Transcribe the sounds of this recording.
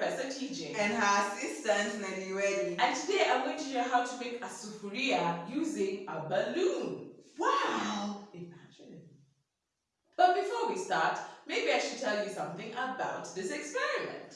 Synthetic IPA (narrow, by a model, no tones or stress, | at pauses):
ɛsə̃ntʰid͡ʒɪ̃ɨ̃nəəsɪstə̃ntlɛniɹɛdiɨ̃ntʰɨdeɪãɪ̃mɡõʊɪ̃ŋtʰuʃoɦaʊtʰumɪ̃kəsufəɹiəjuzɪ̃ŋəbəlũnwaʊɪmæd͡ʒɪ̃n | b̥ʌt̚b̥ifɔwistɑɹtmeɪbiaɪʃɨd̚tʰɛlˠjɨsʌ̰̃mθɪ̃ŋəbaʊt̚ðɪsɛkspɛɹɪmɛ̰̃nt